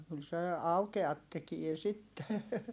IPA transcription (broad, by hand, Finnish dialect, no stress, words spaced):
kyl se ɑukeɑt tekie sitːe